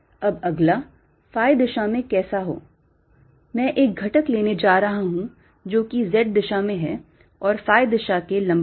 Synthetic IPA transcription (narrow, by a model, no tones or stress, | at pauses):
ɐbɐɡla | faːɪd̪ɪʃamẽkɛːsaɦo̰ː | mɛ̃ːʔeːk̚ɡʱɐʈəkleːned͡ʒaːɾɐɦaɦũ | d͡ʒoːkizɛːʈ̚d̪ɪʃamẽɦɛː | ɔːɾfaːɪd̪ɪʃakelɐ̃mb